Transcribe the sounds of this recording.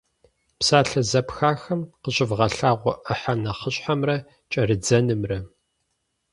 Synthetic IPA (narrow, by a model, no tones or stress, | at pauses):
psaːɬɐzɐpxaːxɐmqəɕʼɪvʁɐɬaːʁʷɔʔɐħanɐχəɕʼħamrɐ | t͡ʃʼɐrɨd͡zɐnɨmrɐ